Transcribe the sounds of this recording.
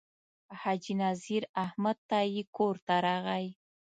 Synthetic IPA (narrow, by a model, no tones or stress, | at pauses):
had͡ʒinaziɾahmad̪̚t̪ajikoɾt̪aɾɑɣaj